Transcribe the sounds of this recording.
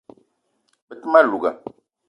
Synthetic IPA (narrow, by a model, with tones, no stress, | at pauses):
bə˨ti˦ma˦lu˨ɡa̰˨